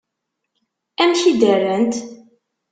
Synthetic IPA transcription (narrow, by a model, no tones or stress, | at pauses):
æmʃid̪ərːənt̪